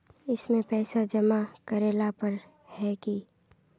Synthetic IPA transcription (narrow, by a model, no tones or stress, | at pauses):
ɪsmẽpɛːsad͡ʒɐmakɐɾeːlapɐɾ | hɛki